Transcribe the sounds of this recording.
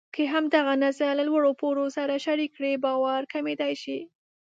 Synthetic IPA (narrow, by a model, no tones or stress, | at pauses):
keɦamd̪aɣanazalalwaɽopoɾosaɾaʃaɾikːɽebɑwaɾkamed̪ajʃi